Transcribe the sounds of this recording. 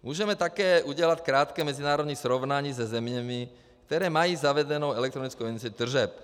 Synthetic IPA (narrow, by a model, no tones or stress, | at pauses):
mʊuːʒɛmɛt̪akɛːʔuɟɛlackɾaːt̪kɛːmɛd͡zinaːɾɔd̪ɲiz̥ɾɔʊnaɲiːzɛzɛmɲami | k̚t̪ɛɾɛːmajiːzaʋɛdɛnɔʊɛlɛkt̪ɾɔnit͡skɔʊɛnsɛd̪r̩ʒɛp